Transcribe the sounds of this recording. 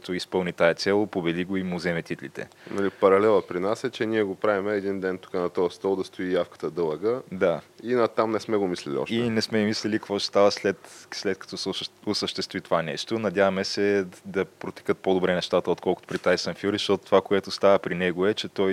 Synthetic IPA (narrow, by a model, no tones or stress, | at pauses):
t̪oispɤlˠnit̪aɛt̪sʲɛlˠopobɛd̪iɡoimʊzɛmɛt̪it̪lḭt̪ɛ̰ | nɐlipɐɾɐlɛlˠəpɾinasɛt͡ʃɛniɛɡopɾavimɛːd̪ind̪ɛnt̪u̥kanɐt̪ɔjəst̪ɔlˠd̪ɐst̪oijafkə̥t̪əd̪ɤlˠəɡəd̪ainɐt̪amnɛsmɛɡomislʲɛlʲḭɔ̰ʃinɛsmɛimislɛlikɐkvɔt͡ʃst̪avəslɛt̪slɛt̪̚kɐ̥t̪ɔsʊsəʃt̪ɛst̪vit̪ovanɛ̰ʃt̪onɐd̪ʲjavəmɛsɛd̪ɐpɾot̪i̥kət̪̚pod̪obɾɛnɛʃt̪at̪əot̪kɔlˠkʊt̪o̥pɾit̪aisɐmfjuɾiʃt̪ɔt̪ʊ̥t̪ːovakoɛt̪ost̪avəpɾinɛɡoɛt͡ʃɛt̪ɔj